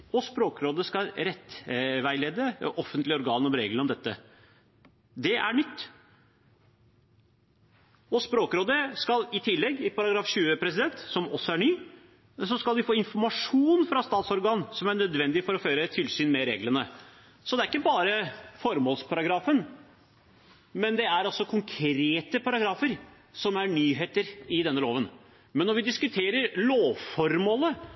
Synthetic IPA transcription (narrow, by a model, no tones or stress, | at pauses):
ɔspɾoːkɾoːd̪əskɑlɾɛt̪ːʋæɪleːd̪əʔɔfənt̪lɪɔɾɡɑːnɔmɾeːɡləɾɔmd̪ɛt̪ːə̰ | d̪ɛʔæ̰ɳʏt̪ː | ɔspɾoːkɾoːd̪əskɑlɪt̪ʰɪlːɛɡːɪpɑɾɑɡɾɑːfʂʉːəpʰɾɛsɪd̪ɛnt̪sɔmɔsːɔæɳyː | sɔskɑld̪ɪfoːɪnfɔɾmɑʂuːnfɾɑst̪ɑːt̪sɔɾɡɑːnsɔmæɳœd̪ʋɛnd̪ɪfɔɾɔføːɾət̪ʰɪlsyːnmɛɾḛːɡlənə | sɔd̪ɛæɾɪkːəbɑːɾəfɔɾmoːlspʰɑɾɑɡɾɑːfən | mɛnd̪ɛæɾɔsːɔkʰʊŋkʰɾeːt̪əpʰɑɾɑɡɾɑːfəɾ | sɔmæɳyːɦeːt̪əɾɪd̪ɛnːəloːʋən | mɛnːɔɾʋɪd̪ɪskʉt̪ʰeːɾəɾloːʋfɔɾmoːlə